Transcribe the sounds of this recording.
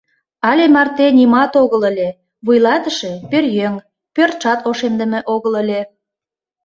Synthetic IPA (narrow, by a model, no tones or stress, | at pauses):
ɑlʲemɑrt̪enʲimɑt̪oɣələlʲe | βujlɑt̪ə̆ʃepørjøŋ | pørt͡ʃɑt̪oʃemd̪ə̆mĕʔoɣələlʲe